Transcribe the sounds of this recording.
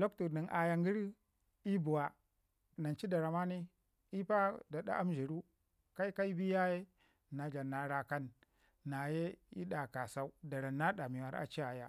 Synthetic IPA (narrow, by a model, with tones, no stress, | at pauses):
lo˦ktu˨ɾni˨nʔa˨ja˨ŋɡi˦ɾ | i˦bu˨wa˨ | na˨nt͡ʃi˦da˨ɾa˨ma˦ni˦ | i˦pa˦da˨ɗa̰˦ʔa˦m˦ʒi˨ɾu˦ | ka˦i˦ka˦i˦bi˦ja˦je˦ | na˨d͡ʒa˨na˨ɾa˨ka˦nː | a˨je˦ḭ˦ɗa˨ka˨sa˦u˦da˨ɾa˨nːa˦ɗa˨mi˨wa˨ɾa̰˨t͡ʃi˦a˨ja̰˦